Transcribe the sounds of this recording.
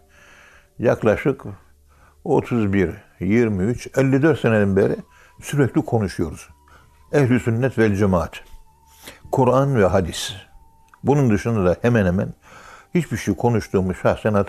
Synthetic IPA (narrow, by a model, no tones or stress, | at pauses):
jaklˠaʃɯk | o̞t̪ʰuzbiɾ | jiɾmiyt͡ʃʰɛlʲːid̪øɾt̪sened̪ɛnbeɾi | syɾɛclʲikʰo̞nuʃujo̞ɾuz̥ | ɛhlʲisynːɛt̪vɛlʲd͡ʒɛmaːt̪ | kʰuɾanvɛɦad̪is | bunund̪ɯʃɯnd̪ad̪ahɛmɛnhemæ̰nhit͡ʃbiʃejkʰo̞nuʃt̪ʰuːmuʃaxsɛnat̪ʰ